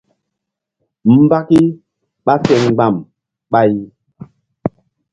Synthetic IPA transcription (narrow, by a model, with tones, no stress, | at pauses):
m̩˦ba˦ki˦ | ɓa˦sɛ˨ŋ˨ɡ͡ba˨m | ɓa˦j